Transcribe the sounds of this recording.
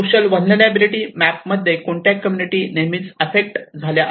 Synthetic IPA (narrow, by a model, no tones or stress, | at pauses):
oɕəlʋənlənabiliʈiːmæp̚məd̪ʱːjekoɳʈjakːəmjuniʈiːnemiːt͡səfek̚ʈd͡zʱalja